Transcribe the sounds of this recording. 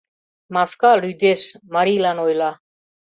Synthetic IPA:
maskalyd̪esmaɾilanojla

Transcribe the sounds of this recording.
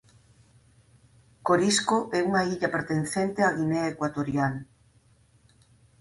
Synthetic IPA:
koɾiskoʔɛuŋaiʎapeɾt̪enθent̪eaɣineaekwat̪oɾjal

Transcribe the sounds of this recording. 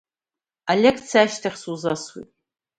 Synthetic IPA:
alʲekʰt͡sʰiaʃtʰaχʲsuzaswḭ

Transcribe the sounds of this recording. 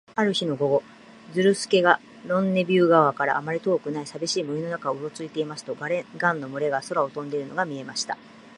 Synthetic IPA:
aɾɯ̟çino̞ɡo̞ɡo̞ | d͡zɨɾɯ̟sɨ̥ke̞ɡa | ɾõ̞nːe̞bʲjɨːɡaβakaɾa̰ːmaɾʲit̪o̞ːkɯ̟naisabʲiɕiːmɯ̟ino̞nakaoɯ̟ɾo̞t͡sɨit̪e̞imasɨ̥t̪o̞ɡaɾeɡãnːo̞mɯ̟ɾe̞ɡaso̞ɾao̞t̪õ̞nd̪e̞ɾɯ̟noɡamʲie̞maɕi̥t̪a

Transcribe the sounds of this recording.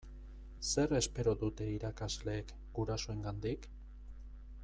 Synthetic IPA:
se̞ɾe̞spe̞ɾo̞ðut̪e̞iɾakazle̞ːk | ɡ̥uɾasoe̞ŋɡand̪ik

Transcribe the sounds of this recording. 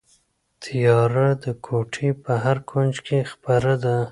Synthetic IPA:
t̪ʰijɑɾad̪əkʰoʈʰipəɦaɾkʰond͡ʒkʰexpaɾad̪a

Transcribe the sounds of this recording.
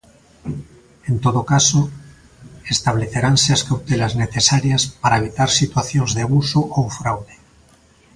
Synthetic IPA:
ent̪oðokaso | est̪aβ̞leθeɾanseaskawt̪elazneθesaɾjaspaɾaeβit̪aɾsit̪waθjonzðeaβusoʔowfɾawðe

